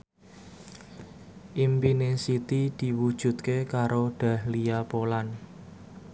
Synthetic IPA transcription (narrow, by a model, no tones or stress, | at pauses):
ʔimpinesit̪id̪̥i̤wud̥ʒ̥ṳt̪̚kekaɾoɖ̥a̤hlijapolan